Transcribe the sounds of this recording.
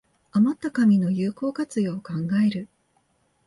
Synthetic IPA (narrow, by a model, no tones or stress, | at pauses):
amat̪ːakamʲino̞jɯːko̞ːkat͡sɨjoːkãŋɡae̞ɾɯ̟